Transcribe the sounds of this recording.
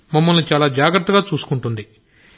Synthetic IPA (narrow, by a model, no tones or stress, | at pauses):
mɐmːɐlnit͡ʃaːlaːd͡ʒaːɡɾɐt̪ːɐɡaːt͡ʃuːsu̥kuɳʈund̪i